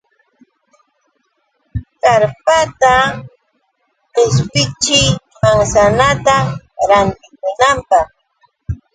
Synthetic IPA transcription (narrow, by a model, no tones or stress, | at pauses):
kaɾpat̪a | ɢ̥ɪspɪt͡ʃɪjpaŋsanat̪aɾant̪ɪkʊnampɑχ